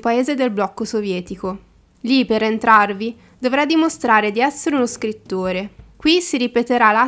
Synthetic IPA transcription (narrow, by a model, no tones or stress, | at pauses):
paeːzed̪elblɔkːosovjɛːt̪iko | lipeɾent̪ɾarvi | d̪ovɾad̪imost̪ɾaːɾed̪iɛsːeɾeunoskɾit̪ːoːɾekwisiɾipet̪eɾala